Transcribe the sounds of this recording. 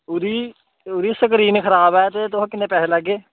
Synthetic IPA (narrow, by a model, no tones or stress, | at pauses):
ʊd̪iː | ʊd̪iːsəkɾiːnkʰəɾaːbɛːt̪eːt̪ʊãːkɪnːẽːpɛːseləɡːeː